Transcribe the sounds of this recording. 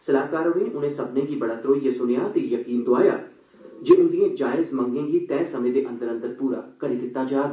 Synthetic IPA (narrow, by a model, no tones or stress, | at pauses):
sɐlaːkaːɾoːʋiːnʔʊnẽsɐbnẽɡibɐɽaːt̪ɾoːijesʊnjaːt̪ejɐkiːnd̪ʊaːjaː | d͡ʒeːʔʊ̃nd̪ijẽd͡ʒaːɪzmɐ̃ŋɡẽːɡit̪ɛ̃ːsɐmẽd̪eʔɐ̃nd̪əɾə̃nd̪əɾpuːɾa̰ːkɐɾid̪ɪt̪ːaːd͡ʒaːd̪